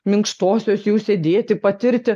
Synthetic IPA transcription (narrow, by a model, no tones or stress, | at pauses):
mʲɪŋkʃt̪oːsʲoːsjuːsʲeːd̪ʲeːt̪ʲɪpɐt̪ʲɪɾʲt̪ʲɪ